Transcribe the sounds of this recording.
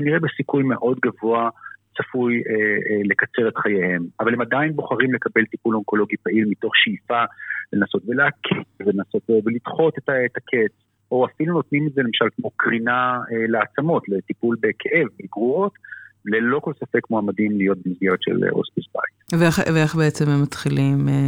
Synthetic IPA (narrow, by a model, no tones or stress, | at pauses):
kaniʁebesikujme̞ʔo̞dɡavo̞asafujele̞kat͡se̞ʁe̞tχajehe̞mavalemadainbo̞χaʁimle̞kabe̞lt̪ipulonko̞lo̞ɡipaʔilmito̞χʃijfalenaso̞tveleakʰetvelenaso̞tvevelid̪χo̞tetatakʰe̞t͡s | o̞afiluno̞t̪nimetzelemaʃalkmokʁinaeleat͡samo̞tletipulbekʰeʔe̞vbeɡʁuo̞tlelo̞ko̞lsafe̞kmoamadimlijo̞t̪̚bemizɡeʁet̪ʃḛl̰o̰spisba̰jtveeχveeχbeet͡semhemːatχilim